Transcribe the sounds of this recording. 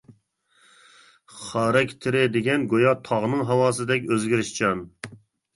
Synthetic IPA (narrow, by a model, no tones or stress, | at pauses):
χɑːɾɛkʲt̪ʰɪɾɪd̪eɡʲɛnɡojɑt̪ʰɑʁnɨŋɦɑwɑːsɨd̪ɛkʲøzɡʲiɾɪʃt͡ʃʰɑn